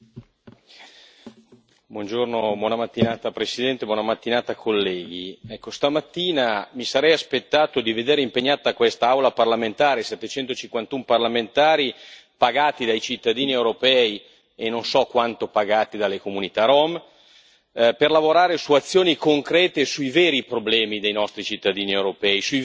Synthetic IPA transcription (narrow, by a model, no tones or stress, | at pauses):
bwɔnd͡ʒornobwɔːnamat̪ːinaːt̪apɾesid̪ɛnt̪ebwɔnamat̪ːinaːt̪akʰːolːɛːɡ̟iɛkːost̪amat̪ːiːnamisaɾɛjaspet̪ːaːt̪od̪ived̪eːɾeimpeɲːaːt̪akwɛst̪aawlaparlament̪aːɾesɛt̪ːet͡ʃɛnt̪ot͡ʃiŋkwant̪umparlament̪aːɾipaɡaːt̪id̪ajt͡ʃit̪ːad̪iːniewɾopɛːi | enːonsɔkːwant̪opaɡaːt̪id̪alːekomunit̪aɾɔm | perlavoɾaːɾesuat̪sːjoːnikoŋkɾɛːt̪esuijveːɾipɾoblɛːmid̪ejnɔst̪ɾit͡ʃit̪ːad̪iːniewɾopɛːisu